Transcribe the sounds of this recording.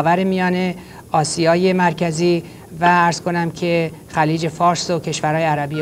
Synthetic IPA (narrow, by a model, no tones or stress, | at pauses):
væɾemijɒːne̞ | ɒːsijɒːje̞mæɾcʰæziː | vææɾz̥kʰo̞næmcʰe̞ | xæliːd͡ʒe̞fɒːɾsocʰe̞ʃvæɾhɒːjeæɾæbi